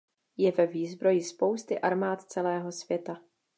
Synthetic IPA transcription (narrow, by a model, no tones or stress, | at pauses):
jɛvɛviːzbɾo̞jɪspo̞wst̪ɪʔaɾmaːt̪t͡sɛlɛːɦo̞sv̥jɛt̪a